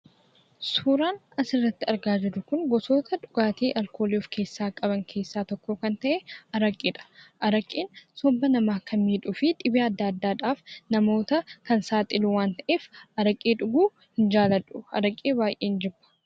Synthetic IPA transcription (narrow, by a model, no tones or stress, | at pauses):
suːɾaːn | ɐsɪrːɐt̪ːɪɐɾɡaːd͡ʒɪɾʊkʊŋɡɔso̞ːt̪ɐᶑʊɡ̥aːt̪ʰeːʔɐlko̞ːliofkʰe̞ːsːaːkʼɐbɐŋkʰe̞ːsːaːt̪ɔkːɔkɐnt̪ɐʔɛɐɾɐkʼːiːᶑɐ̥ʔɐɾɐkʼːiːnsɔbːɐnɐmaːkʰɐnmiːᶑʊfɪᶑɪbeɐd̪ːaːɐd̪ːaːᶑaːfnɐmo̞ːt̪ɐkɐnsaːt̪ʼɪluwaːnt̪ɐʔeːfɐɾɐkʼːiːᶑʊɡuː | hɪnd͡ʒaːlɐᶑʊɐ̰ɾɐkʼːeːbaːjʔeːnd͡ʒɛbːɐ̥